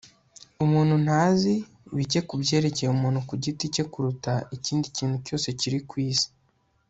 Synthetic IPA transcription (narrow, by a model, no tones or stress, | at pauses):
umuːn̥hun̥haːzi | βice̞kubɟe̞ːɾe̞ce̞jumuːnhukuɟitice̞kuɾutaiciːndiciːnhuco̞ːse̞ciɾikwiːzi̥